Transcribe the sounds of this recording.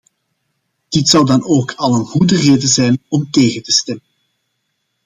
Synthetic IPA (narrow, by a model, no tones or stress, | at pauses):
d̥ɪtsʌwdɑnoːkʰɑlˠənɣudəreːdəzɛjnɔmteːɣətəstɛmən